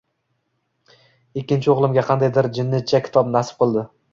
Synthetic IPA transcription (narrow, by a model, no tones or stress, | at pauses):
ekʲːɪnt͡ʃʰɪoʁlˠɪmɡʲaqʰɑnd̪ajd̪ɪɾd͡ʒɪnːɪt̪̚t͡ʃʰːakʲʰɪ̥t̪ʰɒbnasɪ̥p̚qʰɨlˠd̪ɪ